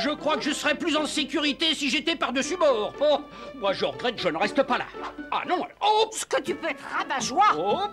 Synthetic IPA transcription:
ʒəkχwakəʒəsəʁɛplyzɑ̃sekʲyʁit̪esiʒet̪ɛpaʁd̪əsybɔʁo | mwaʒəʁəɡʁɛt̪ʒənəʁɛst̪əpala̰a̰nɔ̃osə̥kət̪ypøɛt̪ʁavaʒwao

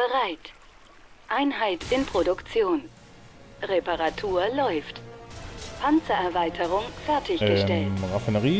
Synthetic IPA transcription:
b̥əʁaɪt | ʔaɪnɦaɪtɪnpʁ̥odʊkt͡sjoːn | ʁepaʁatʰuːɐlɔʏft | pʰant͡sɐʔɛɐvaɪtʰəʁ̞ʊŋfɛɐtʰɪçɡ̥ətɛltʁafɪnəʁiː

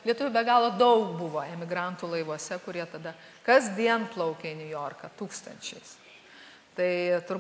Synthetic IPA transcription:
lʲiɛt̪ʊʋʲʊbʲɛɡɑːlˠoːd̪ɐʊkbʊʋoːɛmʲɪɡɾɑnt̪uːlˠɐɪʋuɔsʲɛkʊɾʲiɛt̪ɐd̪ɐ | kɐzʲd̪ʲiɛnplˠɐʊkʲeɪnʲʊjoːrkɐt̪uːkst̪ɐ̰nʲt͡ʃʲɛɪs | t̪ɐɪt̪ʊɾ

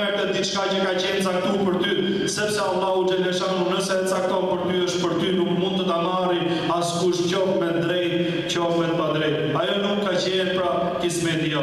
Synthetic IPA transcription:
ɛɾt̪ɛd̪it̪t͡ʃkat͡ɕəkat͡ɕɛnt͡sak̚t̪upəɾt̪y | sɛpsɛɑlˠːahud͡ʒɛlɛʃanunəsɛət͡sak̚t̪ɔnpəɾt̪yəʃt̪̚pəɾt̪ynukmund̪t̪ət̪amaɾi | askuəʃt̪̚cɔpmɛnd̪ɾɛjt̪ | t͡ɕəɔfɛt̪mad̪ɾɛt̪ | ajɔnukːat͡ɕɛɛɾpɾa | kismɛt̪ia

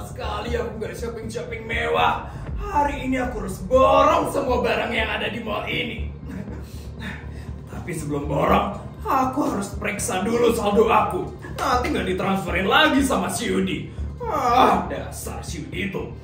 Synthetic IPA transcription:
sə̥kaliakuŋɡadiʃɔpɪŋʃɔpɪŋmewa | haɾiːniakuɾʊsbɔɾɔŋsəmuabaɾaŋjaŋadadimalaini | t̪apisəbəlʊmbɔɾɔŋakuhaɾʊspəɾeksadulusaldoaku | at̪iŋɡaldit̪ɾansfəɾɛnlaɡisamasiudiahdasa̰rsiudit̪u

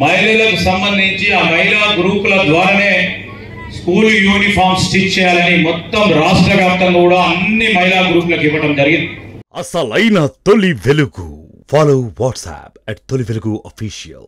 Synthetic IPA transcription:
mɐjlulɐkusɐmbɐnd̪ʱiɲt͡ʃiaːmɐjlaːɡɾuːpulɐd̪ʋaːɾɐne̞ː | skuːljuːnipʰaːɾmsʈit͡ʃːɛːjaːlɐnimɔt̪ːɐmɾaːʂʈɾɐʋjaːp̚t̪ːɐmkuːɽaːɐnːimɐjlaːɡɾuːplɐkiʋːɐʈɐmd͡ʒɐɾiɡind̪iɐsɐlɐjnɐt̪olːiʋeluɡṵ | faːlowʋaːʈsæ̰ːpɛʈ̚t̪oliʋeluɡuʔofiːʃijɐ̰l

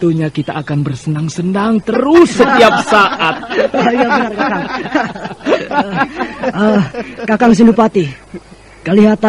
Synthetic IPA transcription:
t̪uɲakit̪a̰ʔakanbərsənaŋsənaŋt̪əɾʊsːət̪iap̚saʔat̪̚jabənarkakaŋ | əkakaŋs̬indupat̪i | kaliɦat̪a

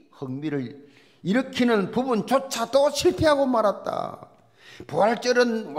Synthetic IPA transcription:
hɯŋmiɾɯɭ | iɾɯkʰinɯnpubunt͡ɕot͡ɕʰatoɕʰiɭpʰeɦaɡomaɾat̚t͈a̰ | puaɭt͡ɕ͈ɯɾɯnw

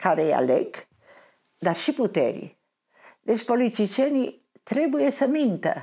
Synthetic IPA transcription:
kʰaɾea̰lɛk | d̪aɾʃiput̪ɛ̰ɾḭ | d̪espolit͡ʃ̪it͡ʃɛni | t̪ɾebuesamint̪a̰

